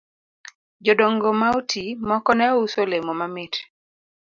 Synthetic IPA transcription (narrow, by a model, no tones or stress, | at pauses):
d͡ʒɔdɔŋɡɔmaotʰimɔkɔnɛɔusolemɔmamɪt